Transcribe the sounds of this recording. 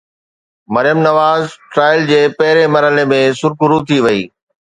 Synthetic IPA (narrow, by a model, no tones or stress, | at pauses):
mɐɾjəmnɐʋaːzʈɾaːɪld͡ʑeːpɐɦɪɾemɐɾɦəlemẽsʊɾkʊɾut̪ʰiʋɐḭː